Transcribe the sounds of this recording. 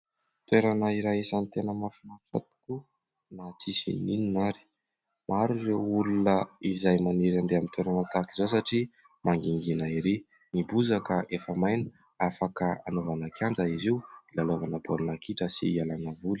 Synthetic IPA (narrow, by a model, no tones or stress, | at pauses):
t̪weɾanaiɾaɦisanit̪enəmafinaʈ͡ʂa̰t̪u̥ku | nat͡sisḭnininaɾi̥ | maɾurewulunəizajmaniɾanɖ͡ʐ̪eamint̪weɾanət̪akizos̬aʈ͡ʂi | maŋɡiŋɡinaiɾi | nibuzakəʔefəmajni̥ | afakəanovanakʰjand͡zaiziwilalovanabolnakiʈ͡ʂəsḭalanavuli̥